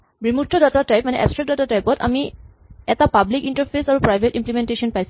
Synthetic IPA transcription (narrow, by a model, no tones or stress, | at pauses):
bɹimutʰːɔdatatajp̚manɛʔɛ̰pstɹɛk̚datatajpɔta̰mi | ɛtapablikintaɹpʰesaɹupɹajbʱetĩmplimentesiɔnpajs